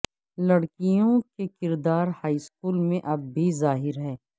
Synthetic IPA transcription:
lɐɽkijõkekɪɾd̪aːɾhaːiskuːlmẽʔɐbːʱizaːɦɪɾɦɛː

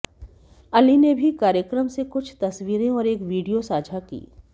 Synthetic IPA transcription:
ɐlinebʱikaːɾjəkɾəmsekʊt͡ʃʰt̪ɐsʋiːɾẽɔːɾeːkʋiːɖijosaːd͡ʒʱakḭː

